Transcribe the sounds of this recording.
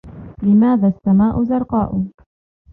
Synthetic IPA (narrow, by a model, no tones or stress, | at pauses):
lɪmaːðaːasːamaːʔʊzɑɾˤqɑːʔʊ